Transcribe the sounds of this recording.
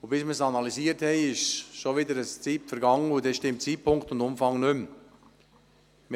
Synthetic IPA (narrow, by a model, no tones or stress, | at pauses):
ʊb̥ɪsməsɑnɑliziːəɾthɛɪɪʃʃoʋɪdəɾəst͡siːpfəɾɡɑŋəʊdɛʃtɪmtt͡siːpʰʊŋkχtʊndʊmfɑŋnʏm | m